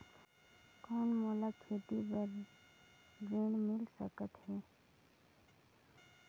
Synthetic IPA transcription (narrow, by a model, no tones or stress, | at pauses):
koːnmoːlakʰeːt̪ipəɾ | d͡ʒeːɳmɪlsəkət̪ɦɛː